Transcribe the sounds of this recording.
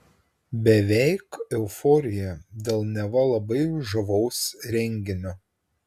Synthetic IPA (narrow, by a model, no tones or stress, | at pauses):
bʲɛʋʲɛɪkɛʊfɔːɾʲɪjɛd̪ʲeːlˠnʲɛʋɐlˠɐbɐɪʊʒɐʋɒʊsɾʲɛŋʲɡʲɪnʲoː